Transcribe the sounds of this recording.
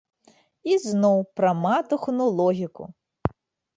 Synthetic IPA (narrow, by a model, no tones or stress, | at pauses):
iznɔwpɾɐmɑt̪ʊxnʊlˠɔɦʲikʊ̰